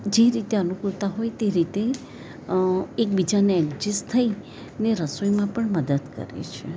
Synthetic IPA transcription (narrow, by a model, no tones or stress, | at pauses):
d͡ʒeɾit̪eənukɾut̪aɦojt̪eɾit̪e | ek̚bid͡ʒaneɛɡd͡ʒist̪ʰəi | neɾəsojmãpəɳməd̪əd̪kə̰ɾḛt͡ʃʰe